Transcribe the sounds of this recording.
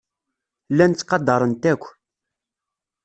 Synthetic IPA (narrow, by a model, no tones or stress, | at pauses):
lːænt͡sːqɑd̪ːɑɾˤənt̪ækʷː